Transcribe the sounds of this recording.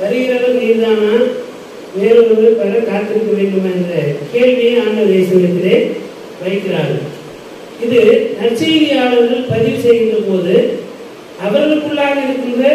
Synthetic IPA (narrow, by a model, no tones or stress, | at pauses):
ʋɐɾɪjɪɾɐʋɐiːɾðaːnaː | ʋeːɾɯmɐnɯpɐɾɐkaːt̪ːɪɾɯkːɐʋeːɳɖɯmɛndrɐkeːɻʋɪjɐaːnɐʋeːsɐɪɾɯt̪ːɪleː | ʋɐɪkːɪɾaːɾɯ̰ | ɪðɯnɐt͡ʃːeːðɪjɐaːɭɐɾɣɐɭpɐðɪʋsɛjɣɪndɐpoːðɯ | ɐʋɐɾɣɐɭɯkːɯɭːaːɣɐɪɾɯkːɯndɐ